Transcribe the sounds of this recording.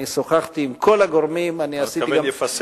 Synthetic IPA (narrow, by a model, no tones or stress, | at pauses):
isoχaχt̪iːmkʰo̞laɡoʁmimaniassitiɡams